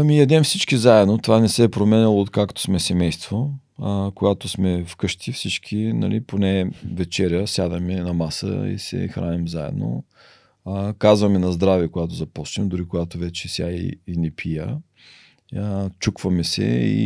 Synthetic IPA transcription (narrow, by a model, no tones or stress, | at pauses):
ɐmijɐd̪ɛmfsit͡ʃkizaɛd̪not̪ovanɛsɛːpɾomɛnilˠoːt̪kakt̪o̥smɛsɛmɛjst̪vo | koɡat̪osmɛfkɤʃt̪ifsit͡ʃkʰinɐ̰lʔiponɛvɛt͡ʃɛɾʲjəsjad̪əmɛnɐmasə̰ḭsɛ̰xɾa̰nʲimzaɛ̰d̪no̰ | kazvɐmɛnɐzd̪ɾavikoɡat̪ozɐpɔsnimd̪ʊɾikoɡat̪ovɛt͡ʃɛsʲja̰ḭːnɛpʰijə | t͡ʃukvɐmɛsɛ̰ḭ